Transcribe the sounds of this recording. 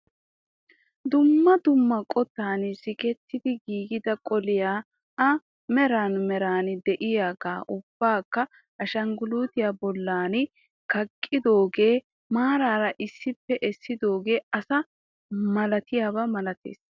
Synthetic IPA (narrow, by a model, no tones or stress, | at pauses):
d̪ʊmːɐd̪ʊmːɐkʼɔt̪ːaːnɪsɪkɛt̪ːɪd̪ɪɡiːɡɪd̪ɐkʼɔlɪjaː | ɐ | mɛɾaːnmɛɾaːnɪd̪ɛʔɪjaːɡaːʔʊb̥ːaːkːɐ | ʔɐʃɐŋɡʊluːt̪ɪjaːbɔlːaːnɪ | kɐkʼːɪd̪o̞ːɡe̞ː | maːɾaːɾɐʔɪsːɪpːɛʔɛsːɪd̪o̞ːɡe̞ːɐsɐ | mɐlɐt̪ɪjaːbɐmɐlɐt̪ḛːs